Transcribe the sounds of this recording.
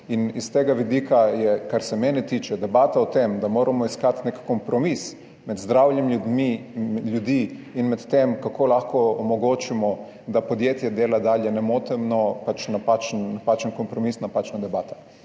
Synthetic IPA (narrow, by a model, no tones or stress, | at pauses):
inist̪eːɡaʋid̪iːkajɛkaɾsɛmɛːnɛt̪iːt͡ʃɛd̪ɛbaːt̪aɔt̪emd̪amoːɾʔamɔiskat̪nekkɔmpɾɔmis | mɛd̪zd̪ɾawljɛmlʲjud̪miljud̪iːinmɛt̪t̪emkakʰoːlaxkɔɔmɔɡoːt͡ʃimɔ | d̪apɔd̪jeːt̪jɛd̪eːlad̪aːljɛnɛmoːt̪ɛmnɔpat͡ʃnapat͡ʃnnːapaːt͡ʃənkɔmpɾɔmiːsnapaːt͡ʃnad̪ɛbaːt̪a